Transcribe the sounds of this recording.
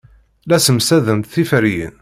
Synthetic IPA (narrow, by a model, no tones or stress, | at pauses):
læsəmsæðəmt̪θifɾijə̰n